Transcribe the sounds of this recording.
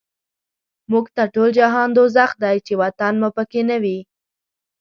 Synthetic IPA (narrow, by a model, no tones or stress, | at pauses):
muɡt̪aʈold͡ʒaɦɑnd̪ozaxd̪ajt͡ʃewat̪anmupəkenawi